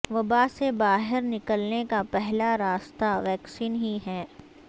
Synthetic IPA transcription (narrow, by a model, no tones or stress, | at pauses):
ʋɐbasebaːɦɪɾnɪkəlnekapɛɦlaɾaːst̪aʋɛːksiːnɦiɦɛː